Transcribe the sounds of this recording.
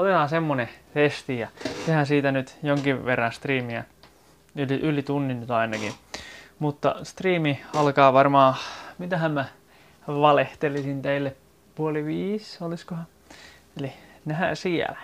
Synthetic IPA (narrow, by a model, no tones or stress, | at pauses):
olehɑ̃nsemːonefest̪ijɑsehænsiːt̪ænyt̪joŋkiʋʋerːɑ̃nst̪riːmiæ̰ | yliʔylit̪unːinnyt̪ɑinɑkḭmut̪ːɑ̰st̪riːmiɑlkɑːʋɑrmɑːmit̪æhæmmæ | ʋɑleht̪elisint̪eilːep | puoliʋiːsoliskohɑ | elinæhæ̰siɛ̰læ̥